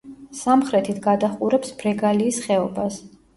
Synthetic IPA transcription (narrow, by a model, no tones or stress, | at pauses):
samχɾɛt̪ʰit̪ʰɡad̪aχqʼuɾɛpsbɾɛɡaliːsχɛɔbas